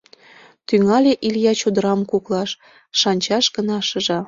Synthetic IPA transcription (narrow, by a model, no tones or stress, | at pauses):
t̪yŋɑlʲeʔiljɑt͡ɕod̪əɾɑmkuklɑʃː | ɑnʲt͡ɕɑʃɡənɑʃə̆ʒɑ